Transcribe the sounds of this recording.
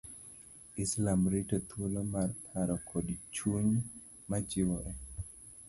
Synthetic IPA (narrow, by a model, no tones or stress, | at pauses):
ɪslamɾitat̪ʰwulomarpʰaɾɔkʰodit͡ʃuɲ | mad͡ʒɪwɔʔɛ